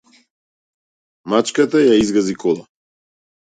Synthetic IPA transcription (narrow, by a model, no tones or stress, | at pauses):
mat͡ʃkat̪ajaizɡazikʰɔlˠa